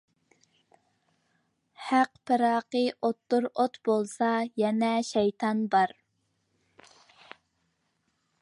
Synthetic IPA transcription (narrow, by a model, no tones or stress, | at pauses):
hæqpʰɪɾɑːqəʔot̪ːuɾot̪bolˠsɑjɛnɛʃɛjt̪ʰɑnbɑɾ